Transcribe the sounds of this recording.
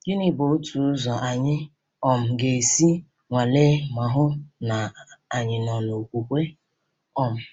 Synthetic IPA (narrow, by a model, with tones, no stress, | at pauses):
d͡ʒi˦ni˦bo˨˦tʰu˨ʊ˦zɔ˨ʔa˨ɲɪ˦ | ɔ˨m̩˨ɡe˨si˦ | ŋʷa˨le˦ma˨ɦʊ˦na˨a˨ɲɪ˨nɔ˨no˨kʷu˨kʷe˦ | ɔ˦m̩˨